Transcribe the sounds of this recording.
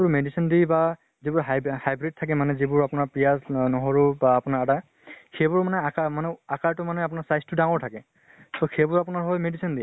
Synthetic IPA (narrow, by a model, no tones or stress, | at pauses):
bʊɹmedisʰindiba | zibʊɹɦajhajbɹid̚tʰːak̬ɛmanɛzibʊɹapʊnaɹpɹijaznɔɦɔɹubaːpʊnaɹada | xejbʊɹmanɛakamanɛakaɹtʊmanɛap̬ʊnaɹsajstʊdaŋɔɹtʰakɛ | toxebʊɹapʊnaɹɦɔjmedisindi